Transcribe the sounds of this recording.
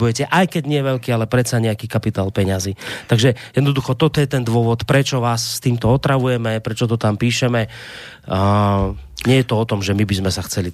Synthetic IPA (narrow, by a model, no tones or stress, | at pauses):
bujɛcɛʔajkɛɟɲɪɛʋɛʎkiːalɛpɾɛsaɲɛakiːkapit̪aːlpɛɲaziːt̪aɡʒɛjɛd̪nɔd̪uxɔt̪ɔt̪ɔjɛt̪ɛnd̪ʋʊɔʋɔt̪pɾɛt͡ʃɔʋaːsːt̪iːmt̪ɔɔt̪ɾaʋujɛmɛpɾɛt͡ʃɔt̪ɔt̪ampiːʃɛmɛ | ɲɪɛjɛt̪ɔɔt̪ɔmʒɛmibizmɛsaxt͡sɛli